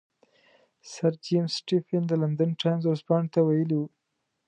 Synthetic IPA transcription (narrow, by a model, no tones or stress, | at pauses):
saɾd͡ʒimsʈifɪnd̪əland̪ənʈajnzoɾospɑɳet̪awajəliwu